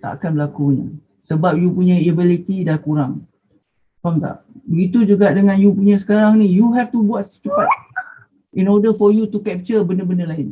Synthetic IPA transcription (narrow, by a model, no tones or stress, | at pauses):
t̪a̰ʔa̰kanbəlakunḭ | səbap̚jupuɲaiebilit̪idakuɾaŋ | faŋt̪a̰ʔ | bəɡit̪ud͡ʒuɡaʔdəŋãnjupuɲãs̬ə̥kaɾaŋnĩjuɦɛft̪ubuatt̪ukat | inɔdəfɔjut̪ukɛp̚t͡ʃəbəndəbəndəlaɪn